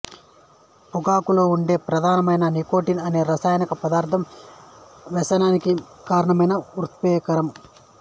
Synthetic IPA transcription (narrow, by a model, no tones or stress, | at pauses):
puɡaːkuloːuɳɖe̞ːpɾɐd̪ʱaːnɐmɐjnɐniko̞ːʈinɐne̞ːɾɐsaːjɐnikɐpɐd̪aːɾt̪ʰɐm | ʋɛsɐnaːniki | kaːɾɐɳɐmɐjnɐɾut̪ʰʋeːkɐɾɐm